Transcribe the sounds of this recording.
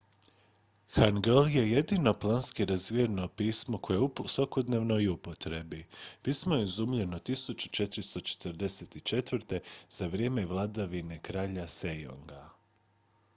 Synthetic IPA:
xanɡelje̞je̞d̪ino̞plˠanskiɾazʋieno̞piːsmoko̞jeupsʋako̞d̪ne̞ʋno̞iupo̞t̪ɾe̞bipiːsmojeizumʎe̞not̪isut͡ʃu̥t͡ʃe̞t̪ɾist̪o̞t͡ʃe̥t̪ɾd̪e̞set̪it͡ʃe̞t̪ʋɾt̪e̞z̥aʋɾje̞ːmeʋlˠad̪aʋine̞kɾaːʎasejo̰ŋɡa

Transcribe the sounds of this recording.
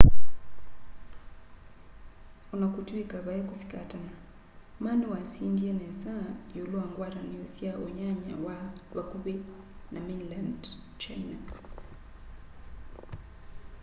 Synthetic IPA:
unakutuikaβajɛkusi̥katana | manuwasindianɛsajuluaŋɡwaɾaniɔsiaʔɔɲaɲa̰waβakuβɛ | naminland | t͡ʃajna

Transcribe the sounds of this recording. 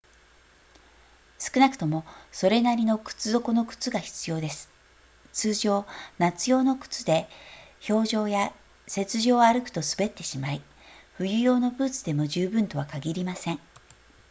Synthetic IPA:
sɨ̥kɯ̟nakɯ̟̥t̪o̞mo̞so̞ɾe̞naɾʲino̞kɯ̟̥t͡sɨzo̞kono̞kɯ̥t͡sɨɡaçi̥t͡sɨjo̞ːd̪e̞sɨ̥ | t͡sɨːʑo̞ːnat͡sɨjo̞ːno̞kɯ̥t͡sɨd̪e̞ço̞ːʑo̞ːja | se̞t͡sɨʑo̞ːaɾɯ̟kɯ̟̥t̪o̞sɨ̥be̞t̪ːe̞ɕimai | ɸɯ̟jɯ̟jo̞ːno̞bɯ̟ːt͡sɨd̪e̞mo̞ʑɨːbɯ̟̃nt̪o̞βakaɡʲiɾʲimasẽ̞ŋ

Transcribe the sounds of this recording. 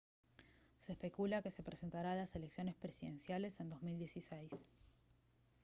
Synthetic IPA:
seːspe̞kulake̞se̞pɾese̞nt̪aɾalase̞leksjo̞ne̞spɾe̞siðe̞nsjale̞se̞nd̪o̞zmild̪je̞sisejs

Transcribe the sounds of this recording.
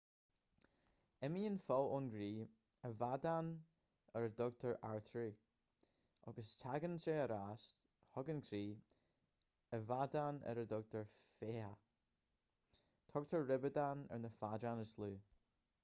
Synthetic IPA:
ɛmiːənfɔlʊnɡɾiː | əvadan | əɹədɔɡ̚tʰəɹʔaɹθɹuː | ʔɔ̰ɡəstʰaɡənseːəɾast | hɔɡənkʰɾiː | əvadanɛ̰ɾədɔɡ̚tʰəɹfeə | t̪ʰɔɡ̚tʰəɹːɪbədanɛ̰ɹnəfadɾanəsluː

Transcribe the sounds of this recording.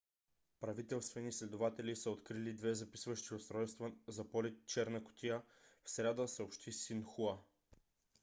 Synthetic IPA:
pɾɐvit̪ɛlˠst̪vɛnislɛd̪ovat̪ɛlisəot̪kɾilid̪vɛzɐpi̥svəʃt̪iʊst̪ɾɔjst̪vəzɐpɔlit̪̚t͡ʃɛɾnəkʊ̥t̪ijə | fsɾʲad̪əsəopʃt̪ʰisinxua

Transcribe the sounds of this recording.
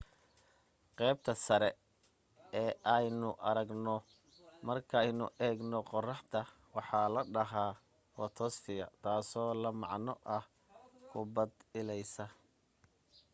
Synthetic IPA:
qɛːb̚t̪ʰɐsɐɾɛ | ɛːʔɐjnʊʔɐɾɐɡnɔ | mɐrkʰɐjnʊʔɛːɡnɔqɔrɑħt̪ʰɐ | wɑħɑːlɐɖɐɦaː | wɐt̪ʰɔst̪ɪjɐ̰t̪ʰaːsɔːlɐmɑʕnɔʔɐh | kʰʊbɐd̪ɪlɛjsɐ

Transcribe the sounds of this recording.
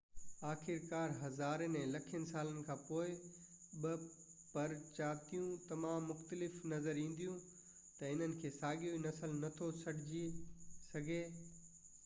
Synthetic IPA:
aːxɪɾkaːɾɦɐzaːɾnɛ̃lɐkʰijənɪsaːlənɪ̆kʰãːpoːɪ | ɓɪ | pɐɾt͡ɕaːt̪ijũt̪ɐmaːmːʊxt̪əlɪfnɐzəɾĩːn̆d̪ijũ | t̪ɐɪn̤ənɪ̆kʰeːsaːɠijoinɐsəlnɐt̪ʰosɐɽ̤ɪd͡ʑisɐɡʱeː

